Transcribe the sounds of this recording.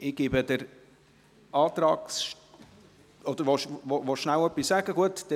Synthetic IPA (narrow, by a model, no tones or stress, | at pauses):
ɪɡ̥ibəd̪əɾ | ʔɑːt̪ɾɑːksʃ | ɔd̪əɾʋoʃovoʃnæwœpːisːæɡ̥əɡuətd̥ɛ